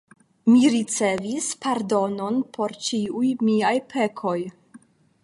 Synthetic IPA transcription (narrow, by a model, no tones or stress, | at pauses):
miɾit͡se̞vispaɾdo̞no̞npʰo̞ɾt͡ʃiujmiajpʰe̞kʰo̞j